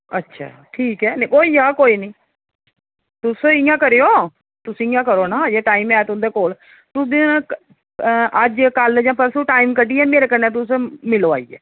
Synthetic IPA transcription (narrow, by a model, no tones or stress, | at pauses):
ətːʃʰa̰ːʈʰiːkɛːnẽkoːiːaːkoːiːnĩː | t̪ʊsɪjãːkəɾejoː | t̪ʊsɪ̃jãːkəɾoːnaːjeːʈaːiːmɛːt̪ʊ̃nd̪eːkoːl | t̪ʊsd̪i | ʔəd͡ʒkəld͡ʒãːpʰəɾsuːʈaːiːmkəɖiɛ̃ːmeːɾeːkəɾneːt̪̬ʊsmɪloːa̰ːḭːɛ̰ː